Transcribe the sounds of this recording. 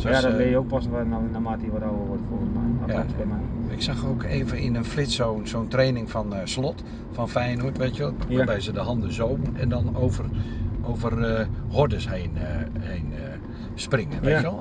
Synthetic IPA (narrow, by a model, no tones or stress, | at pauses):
sadɔbɪjəok̚pɔsʋanonamatiʋaɾoːəʋodəfoːnəmajdɔasbɛmɛjɪksaxoːkeːvənɪnənflɪtsoːnsoːntreːnɪŋfɔnslɔt | fɔnfɛjnuətʋeːtʰjʋəlˠabɛjsədəhɑndəzowbənɛndɔnoːvərʔowvərəhodəsheːnhejnə | sprɪŋənʋeːjʋəlˠ